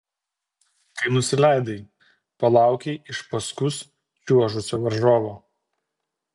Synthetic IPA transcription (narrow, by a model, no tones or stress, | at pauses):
kɐɪnʊsʲɪlʲæˑɪd̪ɐɪ | pɐlˠɑˑʊkʲeɪʔɪʃpɐskʊs | t͡ʃʲuɔʒʊsʲoːʋɐɾʒoːʋoː